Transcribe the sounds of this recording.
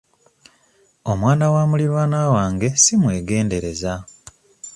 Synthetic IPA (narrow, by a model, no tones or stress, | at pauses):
o̞mwaːnawaːmuliɾwaːnaːwaːŋɡe̞simwe̞ːɡe̞ːnde̞ɾe̞za